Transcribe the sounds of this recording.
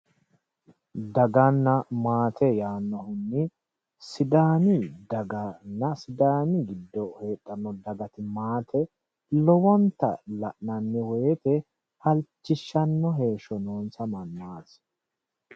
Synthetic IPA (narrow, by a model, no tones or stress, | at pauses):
d̪ɐɡɐnːɐmaːt̪ʰɛjaːnːɔhʊnːɪ | sɪd̪aːnɪd̪ɐɡɐnːɐsɪd̪aːnɪɡɪd̪ːɔheːtʼːɐnːɔd̪ɐɡɐt̪ɪmaːt̪ʰɛ | lɔwɔnt̪ɐ̰lɐʔnɐnːɛweːt̪ɛ | hɐlt͡ʃːɪʃːɐnːɔɦe̞ːʃɔnoːnsɐmɐnːaːs